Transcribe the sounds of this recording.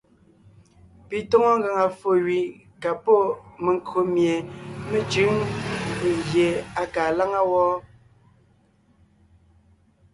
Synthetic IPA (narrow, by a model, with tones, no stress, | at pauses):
pi˨tɔ˦ŋɔ˦ŋ̩˦ɡa˨ŋa˨fo˨ɥi˨ | ka˨pɔ˦˨me˨ŋkʰo˨mje˨me˨t͡ʃʉ˨˦ŋ˨pe˨ɣje˨a˨kaː˨la˦ŋa˦wɔ˦